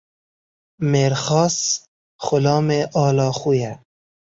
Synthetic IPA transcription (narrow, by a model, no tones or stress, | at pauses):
meːɾχɔːs | χʊlɑːmeʔɑːlɑːχuja